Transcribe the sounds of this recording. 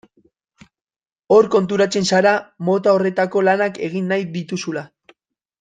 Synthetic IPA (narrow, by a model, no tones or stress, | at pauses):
o̞ɾko̞nt̪̬uɾat͡se̞nsaɾamo̞t̪ao̞re̞t̪ako̞lanake̞ɣ̞inːajd̪it̪usula